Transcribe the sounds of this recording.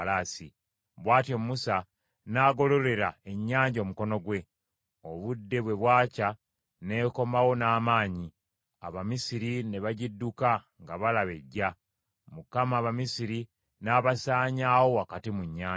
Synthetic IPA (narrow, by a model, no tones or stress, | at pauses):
laːsi | βwaːtjomusa | naɡo̞lo̞le̞ɾae̞ɲːaːɲɟomuko̞no̞ɡwe̞ | o̞βudːe̞βwe̞βwaːca | ne̞ko̞mawo̞naːmaːɲi | a̰βamisiɾine̞βaɟidːuka | ŋɡaβalaβe̞ɟːa | mukamaːβamisiɾi | naːβasaːɲaːwo̞akatimuɲːaː